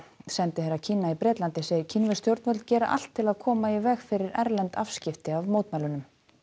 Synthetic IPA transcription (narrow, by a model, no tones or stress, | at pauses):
sɛnt̪ɪθeɾːacʰiːnaipɾɛːt̪lant̪ɪseːjɪɾ̥cʰinvʏ̥st̪jowɾt̪vœt̪cɛːɾa̰ʔa̰l̥t̪ʰːɪlaðkʰɔːmaivɛɣfɪɾɪɾɛɾlɛnt̪afscɪft̪ɪavmoːwt̪maːjlʏnʏm